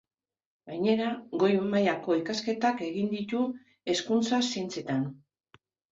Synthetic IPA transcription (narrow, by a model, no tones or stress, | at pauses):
ɡaɲe̞ɾaɡo̞jemajako̞ikaske̞t̪ake̞ɣind̪it̪u | e̞skunt͡sasent͡se̞t̪an